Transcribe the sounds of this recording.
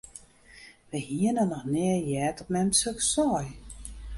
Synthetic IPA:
ʋəhiənənɔxnɛəjɛːtɔpmɛmsøksɔːj

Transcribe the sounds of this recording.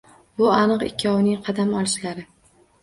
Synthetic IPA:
bʊanɨqɪ̰kʲʰːɒwɪnɪŋqʰɑd̪amɒlˠɪʃlaɾɪ

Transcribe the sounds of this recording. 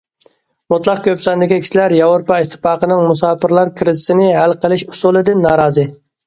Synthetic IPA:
mut̪lˠɑq̚kʲʰøpsɑnd̪ɪkʲikʲʰi̥ʃlæɾjɑvɾɾopɑit̪ʰːɪ̥pɑːqənɨŋmusɑːpʰɨɾlˠɑɾkʲʰɾɪzɪsɪnɪɦælqʰəlˠɪʃusulˠɨd̪ɪnːɑːɾɑːzɨ

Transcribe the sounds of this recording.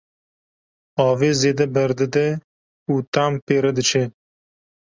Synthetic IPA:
ɑːveːzeːd̪ɛbɛɾd̪ɨd̪ɛ | uːt̪aːmpeːɾɛd̪ɨt͡ʃʰɛ

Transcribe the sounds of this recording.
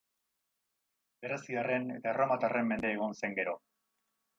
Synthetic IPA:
be̞ɾesiare̞ne̞t̪aeromat̪are̞mːe̞nd̪eːɣ̞onse̞ŋɡe̞ɾo̞

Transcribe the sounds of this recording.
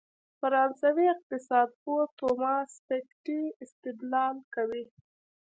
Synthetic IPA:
paɾɑnzawiɪq̚t̪ɪsɑd̪̚pot̪omɑspekʈiɪst̪ɪd̪lɑlkawi

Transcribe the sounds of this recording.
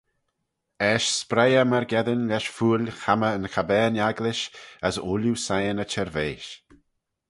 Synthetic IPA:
ɛʃspɾɛjəməɾɡɛðənlɛʃfuːlʲxaməənxʰabɛːnaɡlɪʃəsuːljusajənət͡ʃʰɛɾveːʃ

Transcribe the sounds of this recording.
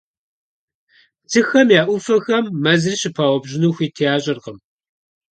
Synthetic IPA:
t͡sʰɨxɐmjaːʔʷufɐxɐmːɐzɨriɕɪpʰaːwɔbʑɪnuːxʷiːtʰejaːɕʼɪrqəm

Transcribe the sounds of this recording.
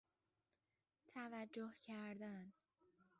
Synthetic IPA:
t̪ʰævæd͡ʒːohcʰæɾd̪æn

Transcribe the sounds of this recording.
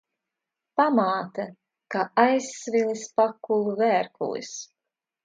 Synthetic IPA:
pamaːt̪ɐ | kaːajsːvilˠispakulˠuvæːɾkṵj̰s

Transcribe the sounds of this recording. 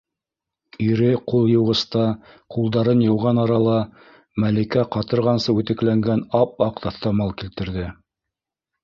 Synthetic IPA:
iɾɘqulˠjɤ̆wʁɤ̆st̪ɑ | qulˠd̪ɑɾɤnjɤ̆wʁɑnɑɾɑlˠɑ | mælikæqɑt̪ɤ̆ɾʁɑnsɤʉt̪ɘ̆klæŋɡænɑp̚ɑqt̪ɑθt̪ɑmɑlˠkilt̪ɘ̆ɾðɘ

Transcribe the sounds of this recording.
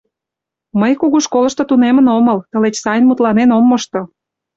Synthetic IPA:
məjkuɣuʃkolə̆ʃt̪ŏt̪unemənoməlt̪ə̆let͡ɕsɑjnmut̪lɑnenomːoʃt̪o

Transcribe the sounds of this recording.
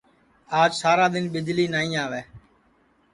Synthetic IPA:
aːd͡ʒsaːɾaːd̪ɪnɓɪd͡ʒliːnaːĩːaːʋeː

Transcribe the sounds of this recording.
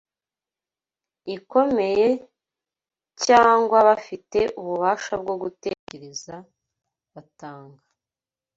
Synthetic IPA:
iko̞me̞je̞ | caːŋɡwaβafite̞ʔuβuβaːʃab̚ɡo̞ɡute̞ce̞ɾe̞za | βataːŋɡa

